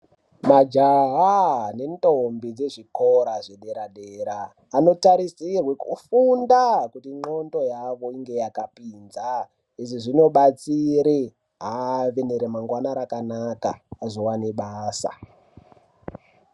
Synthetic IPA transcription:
mad͡ʒaɦane̞ntombid͡ze̞ʐiko̞ɾaʐeɗe̞ɾaɗeɾaː | no̞taɾisirwekufundakutiŋ͡ǃo̞nto̞jaʋo̞iŋɡe̞jakapinza | eʐiʐino̞ɓat͡siɾe | ɦaʋeneɾemaŋɡwanaɾakanaka̰ːzo̞waneɓaːsa̰

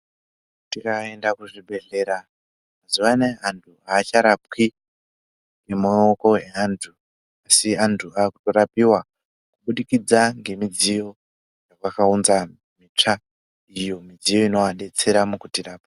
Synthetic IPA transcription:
tikae̞ndakuʐiɓe̞ɮe̞ɾa | mazuʋane̞antʰuaːt͡ʃaɾap̚ki | ŋɡe̞maokoeantʰu | asiantʰuaːkuto̞ɾapiwa | kuɓuɗikid͡zaŋɡe̞mid͡zijo̞ | jakwakaunza | mit͡ʂa | ijo̞mid͡zijo̞ino̞aɗe̞t͡se̞ɾamukutiraːpa

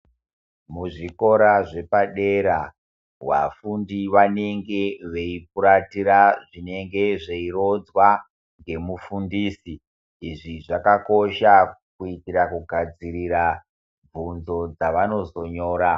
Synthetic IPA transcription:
muʐiko̞ɾaʐe̞paɗe̞ɾa | wa̰fundiʋane̞ŋɡe̞ʋeip̚uɾatiɾaʐine̞ŋɡe̞ʐe̞iro̞d͡zwa | ŋɡe̞mufundiːsi | iʐiʐakako̞ʃakuitiɾakuɡʱad͡ziɾiɾa | b͡vunzo̞d͡zaʋano̞zo̞ɲo̞ːɾa

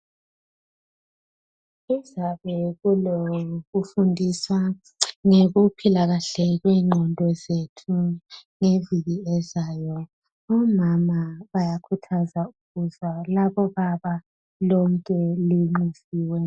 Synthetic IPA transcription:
izaβɛɣuloɣufundʱiswa | ŋeɣupʰilaɣaɬɛɣwiːŋ͡ǃʱɔndʱɔzetʰuŋeviɣiɛzaːjɔ | ɔmamaβajakʰutʰazauɣuzwalaβɔβaβa | lɔŋkʼɛliŋ͡ǃusiːwɛ

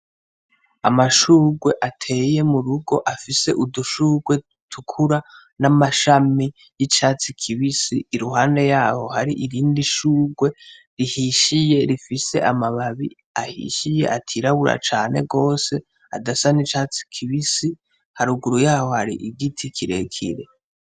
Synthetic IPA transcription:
a̰maʃuːɡwe̞ʔatʰe̞ːje̞muɾuɡo̞ʔafise̞̰ʔuduʃuːɡwe̞ | tʰukʰuɾa | namaʃami | jit͡ʃaːt͡sikʰiβisiːɾuɦaːnde̞jaːho̞haɾiʔiɾiːndiʃuːɡwe̞ | ɾihiʃije̞ɾifise̞̰ʔamaβaβi | ahḭʃije̞̰ʔatʰiːɾaβuɾa̰t͡ʃaːne̞̰ɡo̞ːse̞ | a̰dasanit͡ʃaːt͡si̥kʰiβisi | haɾuɡuɾujaːho̞haɾḭʔiɡitʰikʰiɾe̞̰kʰḭɾe̞

